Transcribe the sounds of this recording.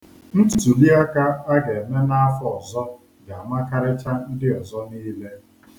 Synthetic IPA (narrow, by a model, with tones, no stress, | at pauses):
n̩˦tu˨tu˨li˦a˦ka˦a˦ɡe˨me˦na˦a˦fɔ˦ɔ˨zɔ˦ | ɡa˨ma˦ka˦ɾɪ˦t͡ʃa˦n̩˦dɪ˦ɔ˨zɔ˦niː˦le˦